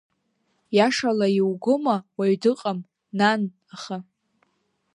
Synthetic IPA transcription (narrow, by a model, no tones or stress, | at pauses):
jaʂalajiwɡomawaɥdɨqʼam | nan | aχa